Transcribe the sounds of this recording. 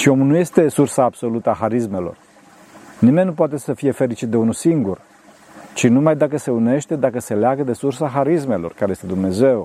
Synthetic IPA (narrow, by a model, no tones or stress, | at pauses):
ʃio̞mulnuje̞st̪e̞sursaːbso̞lut̪əaxaɾisme̞lo̞̰r | nime̞nʲːup̬oat̪e̞səfije̞fe̞ɾit͡ʃit̪̚d̪e̞unusiŋɡur | t͡ʃinumajd̪akəse̞une̞ʃt̪e̞d̪akəse̞leaɡəd̪e̞sursaxaɾisme̞lo̞rkaɾejest̪e̞d̪umne̞ze̞w